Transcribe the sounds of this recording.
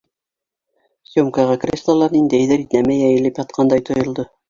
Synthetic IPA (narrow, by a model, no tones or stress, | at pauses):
sʲomkɑʁɑkrʲest̪ˠɑlˠɑɾnind̪æjðɘɾit̪næmæjæjɘ̆lɘpjɑt̪̚qʰɑnd̪ɑjt̪ʰŏjɤ̆lˠd̪ɤ